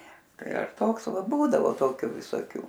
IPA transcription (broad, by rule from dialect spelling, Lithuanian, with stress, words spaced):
ˈtɐɪ ɐr ˈtoːks ˈʋɐ ˈbuːdɐʋoː ˈtoːkʲʊ ʋʲɪsoːˈkʲuː